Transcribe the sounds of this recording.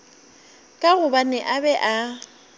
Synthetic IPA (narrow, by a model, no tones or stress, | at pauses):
kʼaɣʊbanɛʔabɛʔa